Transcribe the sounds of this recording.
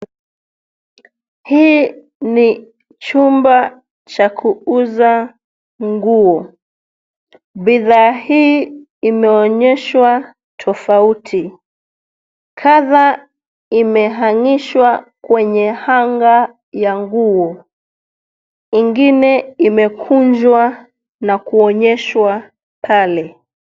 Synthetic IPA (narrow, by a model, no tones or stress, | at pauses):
hiː | ni | t͡ʃumba | t͡ʃakʰuuza | ŋɡuɔ | biðaːhiː | imɛɔɲɛʃwa | tʰɔfautʰi | kʰaða | imɛɦaŋiʃwakwɛɲɛhaŋɡa | jaŋɡuɔ | iŋɡinɛimɛkʰund͡ʒwa | nakuɔɲɛʃwa | pʰalɛ